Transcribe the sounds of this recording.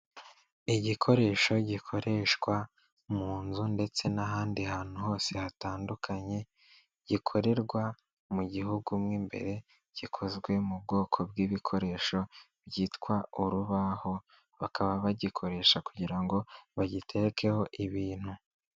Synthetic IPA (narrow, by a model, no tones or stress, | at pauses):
iɟikʰo̞ɾe̞ːʃo̞ɟikʰo̞ɾe̞ʃɡwa | muːnzunde̞t͡se̞naɦaːndihaːn̥uɦo̞ːse̞hataːndukʰaɲe̞ | ɟ̥ikʰo̞ɾe̞ɾɡwa | muɟiɦuɡumŋiːmbe̞̰ɾe̞ | ɟ̥ikʰo̞zɡwe̞mub̚ɡo̞ːkʰo̞bɡiːβikʰo̞ɾe̞ːʃo̞ | bɟiːtkwauɾuβaho̞ | βakʰaβaβaɟikʰo̞ɾe̞ːʃakuɟiɾaŋɡo̞βaɟitʰe̞kʰe̞ho̞ʔiβiːn̥hu